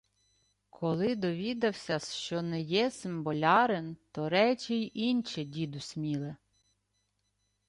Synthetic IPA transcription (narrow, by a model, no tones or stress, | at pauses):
kʰɔlˠɪd̪ɔʋʲid̪ɐwsʲɐʃt͡ʃɔnɛjɛsɪmbɔlʲɑɾent̪ɔɾɛt͡ʃʲɪjʔinʲt͡ʃɛdʲid̪ʊsʲmʲilˠe